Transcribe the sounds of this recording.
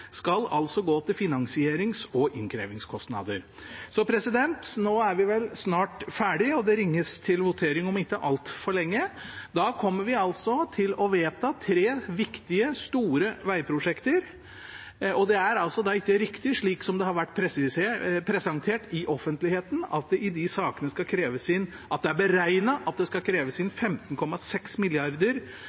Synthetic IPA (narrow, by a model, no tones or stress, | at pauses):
skɑlɑ̰lsɔɡoːt̪ʰɪlfɪnɑŋsɪeːɾɪŋsɔʔɪŋkʰɾḛːʋɪŋskʰɔst̪nɑ̰d̪ə̰ɾ | sɔpʰɾɛsɪd̪ɛnt̪noːæɾʋɪʋɛlsnɑːʈfæːɖɪɔd̪ɛɾɪŋːəst̪ʰɪlʋʊt̪ʰeːɾɪŋɔmɪt̪ːəʔɑlt̪fɔɭɛŋːəd̪ɑːkʰɔmːəɾʋɪɑlsɔt̪ʰɪlɔʋeːt̪ʰɑt̪ʰɾeːʋɪkt̪ɪəst̪uːɾəʋæɪpʰɾʊʂɛkt̪əɾ | ʔɔd̪ɛæɾɑlsɔd̪ɑɪkːəɾɪkt̪ɪʂɭiːksɔmd̪ɛhɑɾʋæʈːpʰɾɛsɪspʰɾɛsɑŋt̪ʰeːʈɪʔɔfːənt̪lɪheːt̪n̩ɑ̰t̪̚d̪ɛʔɪd̪ɪsɑːkənəskɑkʰɾeːʋəsɪn | ʔɑt̪̚d̪ɛæɾbəɾæɪnəʔɑt̪̚d̪ɛskɑkʰɾeːʋəsɪnfɛmt̪ən̩kʰɔmːɑsɛksmɪlɪɑɾd̪əɾ